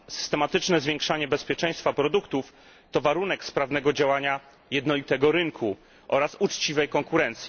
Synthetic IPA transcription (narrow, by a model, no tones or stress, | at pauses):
sɘ̥st̪ɛmat̪ɘt͡ʂnɛzvʲjɛ̃ŋkʂaɲɛbɛspʲjɛt͡ʂɛ̃j̃st̪fapɾɔd̪ukt̪uf | t̪ɔvaɾun̪ɛkspɾavnɛɡɔd͡ʑawaɲa | jɛd̪nɔlʲit̪ɛɡɔɾɘŋkʰu | ʔɔ̰ɾasut͡ʂt͡ɕivɛjkɔŋkuɾɛnt̪sʲji